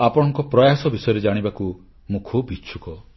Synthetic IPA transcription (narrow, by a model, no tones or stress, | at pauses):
apɔɽ̃ɔ̃ŋkɔpɾɔjasɔbisɔjɔɾed͡ʒaɽ̃ibaku | mũkʰubʱit͡ʃʰukɔ